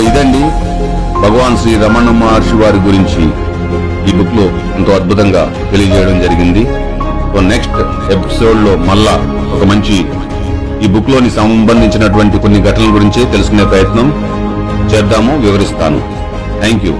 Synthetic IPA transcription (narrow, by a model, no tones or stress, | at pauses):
id̪ɐɳɖi | bʱɐɡɐʋaːnsiːɾɐmɐnɐmaːɾʂiʋaːɾiɡuɾiɲt͡ʃi | iːbukːloː | ent̪o̞ːɐd̪̚bʱut̪ɐŋɡa̰ː | t̪e̞lijɐt͡ʃɛːjɐɽɐmd͡ʒɐɾiɡind̪i | soːne̞ksʈ | e̞pi̥so̞ːɖlo̞ːmɐlːa | ɔkɐmɐɲt͡ʃi | iːbukːlo̞ːnisɐmbɐnd̪ʱiɲt͡ʃinɐʈ̬uʋɐɳʈiko̞nːiɡʱɐʈɐnlɐɡuɾiɲt͡ʃeːt̪e̞luskune̞ːpɾɐjɐt̪nɐm | t͡ʃɛːɾd̪aːmoːʋiʋɐɾist̪a̰ːnṵ | t̪ʰɛːŋkjṵː